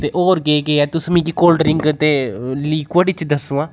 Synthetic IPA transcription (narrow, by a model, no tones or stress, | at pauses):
t̪eːʔoːɾɡeːɡeɛːt̪ʊsmĩːkikoːlɖəɾɪ̃ŋɡt̪eːliːkwəɖit͡ʃd̪əsũːãː